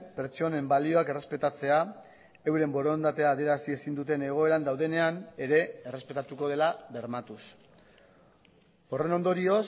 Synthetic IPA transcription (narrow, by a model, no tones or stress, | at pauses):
pe̞ɾt͡so̞ne̞mbalio̞ake̞re̞spe̞t̪at͡se̞a | e̞wɾe̞mbo̞ɾo̞nd̪at̪e̞aːðeɾasie̞sind̪ut̪e̞ne̞ɣ̞o̞e̞ɾand̪awð̞e̞ne̞ane̞ɾe̞ːre̞spe̞t̪at̪uko̞ð̞e̞laβe̞ɾmat̪us | o̞re̞no̞nd̪o̞ɾio̞s